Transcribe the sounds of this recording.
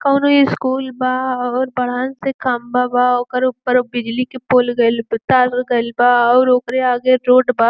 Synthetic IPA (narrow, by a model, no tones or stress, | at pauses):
kanoiɪskuːlbaːɔːɾbɐɽ̤aːnsekʰaːmbabaɔkəɾʊpːəɾbɪd͡ʒlikepoːlɡɐlbt̪aːɾɡɐɪlbaːɔːɾoːkɾeaːɡeɾoːʈbaː